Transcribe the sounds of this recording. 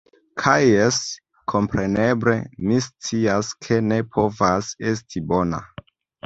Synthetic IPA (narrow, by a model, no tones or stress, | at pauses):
kʰajes | kʰo̞mpɾe̞ne̞ble̞̰mist͡siaskʰe̞ne̞pʰo̞vase̞s̬tʰibo̞na̰